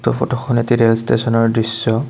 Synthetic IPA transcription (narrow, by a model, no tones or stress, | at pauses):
tɔpʰɔtɔxɔnetiɹelstesɔnɔɹdɹisːɔ